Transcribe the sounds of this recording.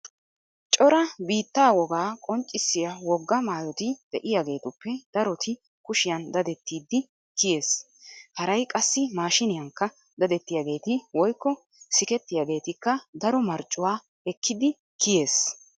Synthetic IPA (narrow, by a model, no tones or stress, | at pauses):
t͡ʃʼɔɾɐbiːt̪ːaːwɔɡaːkʼɔnt͡ʃʼːɪsːɪjɐwɔɡːɐmaːjɔt̪ɪd̪̥ɛʔɪjaːɡe̞ːt̪ʊpːɛd̪̥ɐɾɔt̪ɪ | kʊʃɪjɐnd̪ɐd̪ɛt̪ːiːd̪ːɪ | kɪje̞ːs | hɐɾɐjkʼɐsːɪmaːʃɪnɪjɐŋkːɐ | d̪ɐd̪ɛt̪ːɪjaːɡe̞ːt̪ɪwɔjkːɔ | sɪkɛt̪ːɪjaːɡe̞ːt̪ɪkːɐd̪ɐɾɔmɐɾt͡ʃʼːʊwaː | ɛkʰːɪd̪ɪ | kʰɪje̞ːs